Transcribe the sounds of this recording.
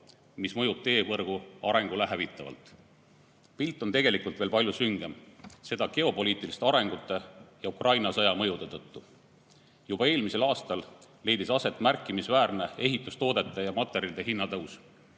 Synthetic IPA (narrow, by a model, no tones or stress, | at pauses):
mismɤjub̚t̪e̞ːvɤrɡ̥uɑɾe̞ŋɡ̥uleɦævit̪ːˑɑvɑ̰lt̪ˑ | pilt̪ːˑo̞nt̪e̞ɡe̞likult̪ve̞ːlpɑljusyŋɡ̥e̞mse̞d̪̥ɑke̞o̞po̞liːt̪ːˑilist̪eɑɾe̞ŋɡ̥ut̪ːˑe̞jɑukrʔɑjnɑsɤjɑmɤjud̪̥e̞t̪ɤt̪ːu | jubɑe̞ːlmise̞lɑːst̪ɑlː | e̞jd̪isɑse̞t̪ːˑmærkːˑimisvæːrne̞e̞ɦit̪ːˑust̪o̞ːd̪̥e̞t̪ːˑe̞jɑmɑt̪ːˑe̞ɾild̪̥e̞ɦinːɑt̪ɤws